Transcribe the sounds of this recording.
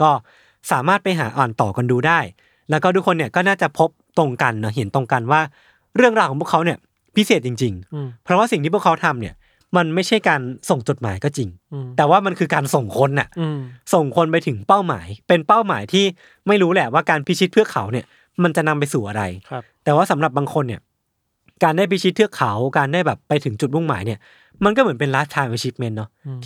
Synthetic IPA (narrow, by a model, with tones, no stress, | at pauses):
kɔː˥˩ | saː˩˦maː˥˩t̪̚pa˧jɦa̰ː˩˦ʔɔː˨˩nt̪ɔː˨˩ka˧nduː˧daː˥˩j | lɛː˦˥wkɔː˥˩t̪u˦˥kʰːo˧nːi˥˩ɐkɔː˥˩naː˥˩t͡ɕa˨˩pʰo˦˥p̚t̪o˧ŋka˧nːɔ˦˥ɦe˩˦nt̪o˧ŋka˧nwaː˥˩ | ɾɯ˥˩əŋɾaː˧wkʰɔː˩˦pu˥˨kʰa˦˥wni˥˩ɐ | pʰi˦˥seː˨˩t̪̚t͡ɕi˧ŋt͡ɕi˧ŋpʰɾɔ˦˥waː˥˩si˨˩ŋt̪iː˥˩pʰu˥ə˩kʰa˦˥wt̪ʰa˧mni˦˥˩ɐ | ma˧nma˥˩jt͡ɕʰa˥˩jkaː˧nso˨˩ŋt͡ɕo˨˩t̪̚maː˩˦jkɔː˥˩t͡ɕi˧ŋt̪ɛː˨˩waː˥˩ma˧nkʰɯː˧kaː˧nso˨˩ŋkʰo˧nʔa̰˨˩ʔso˨˩ŋkʰo˧npa˧jt̪ʰɯ˩˦ŋpa˥˩wma̰ː˩˦jpe˧npa˥˩wmaː˩˦jt̪ʰiː˥˩ | ma˥˩jɾuː˦˥lɛ˨˩waː˥˩kaː˧npʰi˦˥t͡ɕʰi˦˥t̪̚pʰɯ˥˩ɐkʰa˩˦wni˥˩ə | ma˧nt͡ɕa˨˩na˧mpa˧jsuː˨˩ʔa˧ɾa˧jt̪ɛː˨˩waː˥˩sa˩˦mɾa˨˩p̚baː˧ŋkʰo˧nːi˥˩ɐ | kaː˧ndaː˥˩pʰi˦˥t͡ɕʰi˦˥t̪̚ʰɯ˥˩əkʰa˩˦wkaː˧ndaː˥˩jbɛː˨˩pːa˧jt̪ʰɯ˨˩˦ŋt͡ɕu˨˩t̪̚mu˥˩ŋmaː˩˦jni˥˩ɐ | ma˧nkɔː˥˩mɯ˩˦npe˧nlaː˦˥s̚t̪ʰːaː˧nʔaː˧t͡ɕi˦˥t̪̚me˦˥nːɔ˦˥